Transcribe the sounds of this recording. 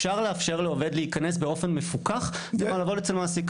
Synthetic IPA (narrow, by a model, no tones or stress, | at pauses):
ʃaʁleafʃe̞ʁleove̞d̪leikanesbeo̞fe̞nme̞fukaχ | ialaːvo̞det͡selmaːsek